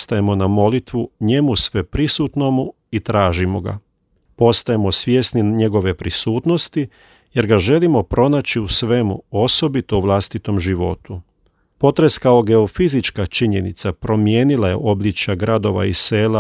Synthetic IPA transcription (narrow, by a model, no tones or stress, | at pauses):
st̪aje̞mo̞namo̞lit̪ʋuɲe̞musʋe̞pɾisuːt̪no̞mu | it̪ɾaːʒimoɡa̰ | po̞st̪ajemo̞sʋjesniɲe̞ɡo̞ʋe̞pɾisuːt̪no̞st̪i | je̞ɾɡaʒe̞limo̞pɾo̞naːt͡ʃiusʋe̞mṵo̞so̞bit̪o̞uʋlˠast̪it̪o̞mʒiʋo̞̰t̪u | po̞t̪ɾe̞skao̞ɡe̞ofizit͡ʃkat͡ʃiɲe̞nḭt̪sapɾo̞mje̞ːnilˠaje̞̰ʔo̞blʲit͡ʃjaɡɾad̪o̞ʋa̰ise̞ːla